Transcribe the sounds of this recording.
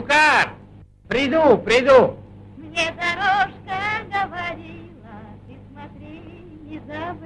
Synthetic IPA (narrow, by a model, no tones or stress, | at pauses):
kar | pɾʲɪd̪upɾʲɪd̪u | mnʲed̪ɐɾoʂkəɡəvɐɾʲilˠəpʲɪsmɐt̪ɾʲe | nʲɪzɐb